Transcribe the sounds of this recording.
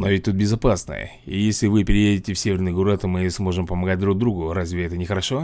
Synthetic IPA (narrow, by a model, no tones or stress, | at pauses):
novʲɪtʲt̪ut̪̚bʲɪzɐpasnə̰jə̰ | ḭjesʲlʲɪvɨpʲɪɾʲɪjedʲɪtʲɪfsʲevʲɪrnɨjɡuɾɨt̪omɨsmo̞ʐɨmpəmɐɡat̚ʲd̪ɾuɡ̚d̪ɾuɡʊɾazʲvʲɪɛt̪ənʲɪxəɾɐʂo̞